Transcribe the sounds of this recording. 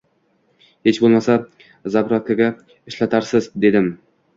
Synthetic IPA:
he̞t͡ʃbolˠmasa | zapɾakʰʲːaɡʲa | ɪʃlat̪ʰaɾsɪzd̪e̞d̪ɪm

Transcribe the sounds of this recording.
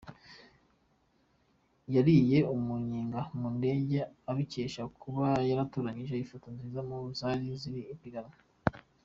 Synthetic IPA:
jaɾije̞umuɲiːŋɡamunde̞ːɟeaβice̞ːʃakʰuβajaɾatoːɾaɲiʒe̞ifatanzizamuzaɾiziɾiːpiɡana

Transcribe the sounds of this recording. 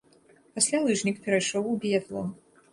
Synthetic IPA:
pasʲlʲalˠɨʐnʲikpʲɛɾajʂɔwubʲɛd̪lˠɔ̰

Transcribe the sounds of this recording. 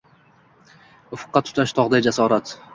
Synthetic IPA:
ʊfʊ̥qːɑt̪ʰːʊ̥t̪ʰaʃt̪ʰɒʁd̪ajd͡ʒasɒɾat̪

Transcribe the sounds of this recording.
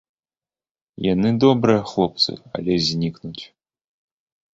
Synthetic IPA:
janɨd̪ɔbɾɨjɐxlˠɔp̚t̪sɨ̰ɐ̰lʲɛzʲnʲiknut͡sʲ

